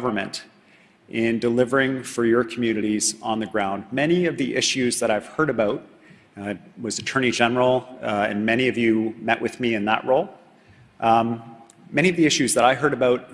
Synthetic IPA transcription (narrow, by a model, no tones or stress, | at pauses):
ʌvə˞mɨ̰̃nt | ʔɪ̃ndəlɪvə˞ɪ̃ŋfə˞jə˞kʰmjʉnɨɾiz̃nðɨɡɹãʊ̃nd̚mɛñiʌvðiʔɪʃʉzðəɾaɪv̥hɜ˞ɾɨbaʊt̚ | wʌzɨtʰɜ̃˞ñid͡ʒɛnə˞l̩ˠɨ̰̃nmɛɾ̃iʌvjɨmɛʔwʔɨðmiɨ̃nðə̰ʔɹoʊlˠ | mɛɾ̃iʌvðiɪʃʉzðəɾaɪɦɜ˞ɾɨbaʊt̚